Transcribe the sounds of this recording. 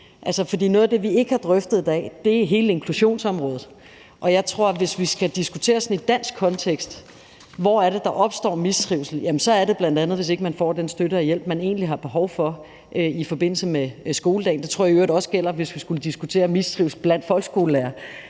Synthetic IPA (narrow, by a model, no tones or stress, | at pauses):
ʔælsəfɒ̽d̥ḭːnɔ̽ːðˠɐd̥e̝ʋie̝ɡ̥əhɑ̈d̥ʁœfd̥ð̩ˠd̥ɛ̰d̥e̝ɦe̝ːləe̝ŋkʰluɕo̝̰ːnsɒ̽mʁɔːð̩ˠ | ʔɒ̽jɑ̈ɪt͡sʰʁo̝ɐ̰ʋe̝sʋisɡ̥æd̥isɡ̥ut͡sʰe̝̰ːɐsɒ̽nid̥æn̰sɡ̥̚ʰɒ̽nt͡sʰeɡ̥sd̥ | ʋɒ̰æɐɾ̥e̝d̥ɑ̈ʔɒ̽b̥sd̥ɒ̰ːmisd̥ʁiʊsl̩jæmənsɒ̽æɐɾe̝b̥lænd̥ænð̞̩ˠʋe̝s̬e̝ɡ̥əmænfɒ̰ːd̥ensd̥øɾəæjel̰b̥mæne̝ːnliɦɑ̈b̥e̝ɦɒʊfɒ̽ | ʔøifɒ̽b̥e̝n̰l̩səmesɡ̥o̝ːlədɛ̰ɪnd̥et͡sʰʁoɐ̰iøːɐdɒ̽sɡ̥el̰ɐʋe̝sʋisɡ̥uləd̥isɡ̥ut͡sʰe̝̰ːɐmisd̥ʁiʊsl̩b̥læn̰d̥fɒ̽lɡ̥sɡ̥o̝ːləlæːɐ